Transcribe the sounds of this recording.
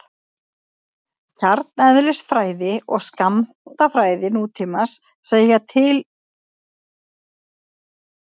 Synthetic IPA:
cʰaɾt̪̚nɛðlɛsfɾaːjðɪɔɣskam | t̪afɾaːjðɪnuːt̪ʰiːmasː | eːjjat̪ʰɪl

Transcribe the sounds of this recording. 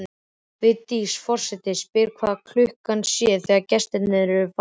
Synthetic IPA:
vɪðt̪iːsfɔr̥sɛt̪ɪspɪɾ̥kʰv̥aːðakʰlʏhkansjɛθɛɣacɛst̪ɛnɪðɾɾʏv

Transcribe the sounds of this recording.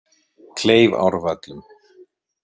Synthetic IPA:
kʰleːjva̰wɾvɛt̪lʏm

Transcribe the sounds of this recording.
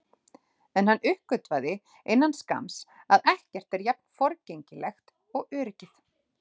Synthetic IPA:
ɛnhanːʏhkʏt̪vaðɪ | enːanska̰msaðɛhcɛr̥t̪ɛɾjap̚n̥fɔɾceɲcɪlɛxt̪ | ɔɣœːɾɪcɪθ

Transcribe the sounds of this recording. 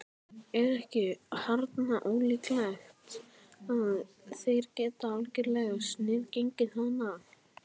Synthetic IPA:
ɛɾɛhcɪhaɾt̪naʔoːwliːklajxt̪ | að | θejɾcɛːt̪aalcɪɾlɛɣasnɪːðcejɲcɪðθanːa

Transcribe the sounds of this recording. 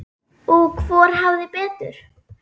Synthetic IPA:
ɔkʰvɔːɾ̥hawðɪpɛːt̪ʏ̰ɾ̥

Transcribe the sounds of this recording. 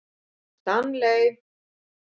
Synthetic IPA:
t̪anlejv

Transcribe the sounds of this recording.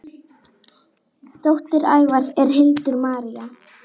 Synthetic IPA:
t̪owht̪ɪɾa̰ːjvaɾsɛɾ̥ɦɪlt̪ʏɾmaːɾia

